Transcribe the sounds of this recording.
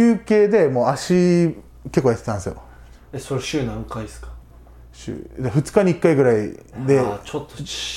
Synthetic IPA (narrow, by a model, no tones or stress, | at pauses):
ɯːke̞ːd̪e̞mo̞ːaɕi | ke̞kːojat̪et̪ãnsɨjo̰ | eso̞ɾeɕɨːnãŋkaisɨ̥kḁ | ɕɨ̰ːd̪aɸɯ̟t͡sɨ̥kaɲʲiikːaiɡɯ̟ɾaḭd̪e̞t͡ɕot̪ːo